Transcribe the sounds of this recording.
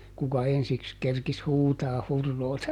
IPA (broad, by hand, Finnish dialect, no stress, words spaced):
kukɑ ensiks kerkis huːtɑːh hurːoːtɑ